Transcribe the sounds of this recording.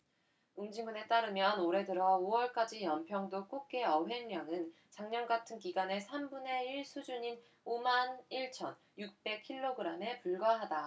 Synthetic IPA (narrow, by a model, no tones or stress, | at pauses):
uŋd͡ʑimune̞t͈aɾɯmjʌnoɾe̞dɯɾʌowʌɭk͈ad͡ʑijʌnpʰjʌŋdok͈ok̚k͈e̞ʌɸe̞ŋɲjʌŋɯn | t͡ɕaŋɲʌnɡatʰɯnkiɡane̞sʰambune̞iɭsʰud͡ʑuɲin | omaniɭt͡ɕʰʌn | juk̚p͈e̞k̚kʰiɭːoɡɯɾame̞puɭɡaɦada